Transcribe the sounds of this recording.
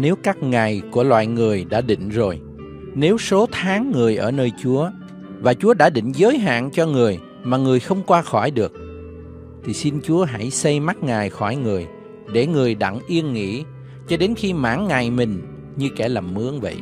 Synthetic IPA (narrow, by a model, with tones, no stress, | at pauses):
ne˨˦wkaː˦˥k̚ŋa˨˩jku˧˩əlwa̰ː˧˨jŋɨ˨˩əjɗa̰ː˧˥ɗḭ˧˨ŋ̟zo˨˩j | ne˨˦wso˨˦t̪ʰaː˨˦ŋːɨ˨˩əjʔəː˧˩nəː˧jt͡ɕu˨˦ə | vaː˨˩t͡ɕu˨˦əɗa̰ː˧˥ɗḭ̈˧˨ŋ̟zəː˨˦jɦa̰ː˧˨nt͡ɕɔ˧ŋɨ˨˩əj | maː˨˩ŋɨ˨˩əjxə˧wŋ͡mkwaː˧xɔ˧˩jɗɨ˨˩ək̚ | t̪ʰi˨˩si˧nt͡ɕu˨˦əɦa˧˩jsə˧jma˦˥t̚ŋaː˨˩jxɔ˧˩jŋɨ˨˩əj | ɗe˧˩ŋɨ˨˩əjɗa̰˧˨ŋʔi˧ənŋḭ˧˥ | t͡ɕɔ˧ɗe˨˦nxi˧ma̰ː˧˥ŋːa˨˩jmï˨˩ŋ̟ | ɲɨ˧kɛ˧˩laː˨˩mːɨ˨˦əŋvə̰˧˨j